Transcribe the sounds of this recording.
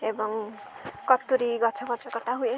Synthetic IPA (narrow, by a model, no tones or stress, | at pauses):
ebɔŋ | kɔt̪ːuɾiɡɔt͡ʃʰɔbɔt͡ʃʰɔkɔʈaɦue